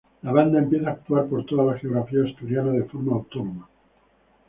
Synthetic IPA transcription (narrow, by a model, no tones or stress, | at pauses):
laβ̞and̪aempjeθaːk̚t̪uaɾpo̞ɾt̪oðalaxeo̞ɣɾafiaest̪uɾjanað̞e̞fo̞ɾmaːwt̪onoma